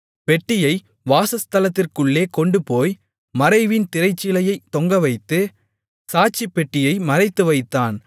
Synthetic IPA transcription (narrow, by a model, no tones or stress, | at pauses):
pɛʈːɪjɐɪ | ʋaːsɐst̪ɐlɐt̪ːɪrkɯɭːeːkɔɳɖɯpoːj | mɐɾɐɪʋɪnt̪ɪɾɐɪt͡ʃːɪlɐjɐɪt̪ːɔŋɡɐʋɐɪt̪ːɯ | saːt͡ʃːipːɛʈːɪjɐɪmɐɾɐɪt̪ːɯʋɐɪt̪ːaːn